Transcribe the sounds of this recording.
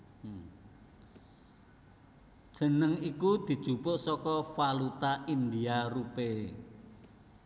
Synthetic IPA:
d̥ʒ̥ə̤nəŋikud̪̥i̤d̥ʒ̥ṳbʊ̤ʔsɔkɔfalut̪aʔind̪iarupe

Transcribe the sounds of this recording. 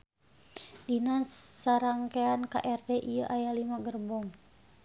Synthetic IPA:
dinassaɾaŋkeanka̰ʔɛrdɛʔijəʔajalimaɡərbɔŋ

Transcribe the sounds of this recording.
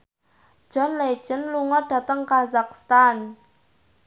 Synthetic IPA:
d̥ʒ̥ɔ̤nle̥ʒ̥ənluŋɔɖ̥a̤t̪əŋkazakst̪an

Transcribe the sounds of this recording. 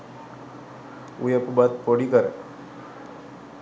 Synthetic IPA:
ṵjepubat̪̚poɽikəɾe

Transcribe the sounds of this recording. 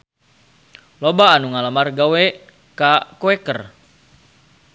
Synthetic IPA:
lobaːnuŋaləmarɡawɛ | kakoɛkər

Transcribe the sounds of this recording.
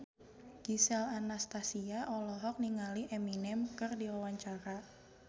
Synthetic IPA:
ɡ̥isɛlanast̪asiaʔɔlɔɦɔk̚niŋaliʔeminɛmkɨrdiwawaɲt͡ʃaɾa

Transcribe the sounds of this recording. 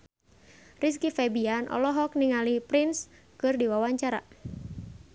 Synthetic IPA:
ris̬kifɛbianʔɔ̰lɔɦɔk̚niŋalipɾins | kɨrdiwawaɲt͡ʃaɾa̰

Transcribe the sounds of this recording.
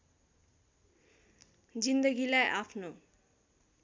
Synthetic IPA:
d͡ʑind̪əɡilaeʔapʰno

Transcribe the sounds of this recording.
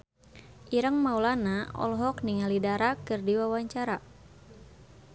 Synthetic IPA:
ʔiɾəŋmaulanaɔ̰lɦɔk̚niŋalidaɾakɨrdiwawaɲt͡ʃaɾa

